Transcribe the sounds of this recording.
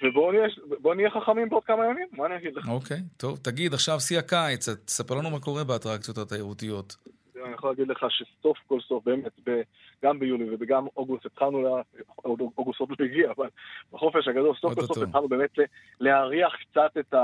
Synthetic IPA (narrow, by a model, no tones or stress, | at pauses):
vebo̞niebonijeχaχamimbeod̚kamajamimːaːniaɡid̪leχokejt̪o̞vt̪aɡid̪aχʃavsiakait͡sat̪ːe̥sapeʁlanumako̞ʁe̞beatʁakt͡sijotat̪aeʁutijo̞t̪ | anijeχolaɡid̪le̞χaʃeso̞fko̞lso̞fbeːmetbe | ɡ̥ambejulivebeɡamoɡustet̪χalnulaodoɡusot̪loiɡiaːvalb̥aχo̞feʃaɡad̪o̞lsoftosofetχalnubemetle | leaʁiaχkt͡sat̪eta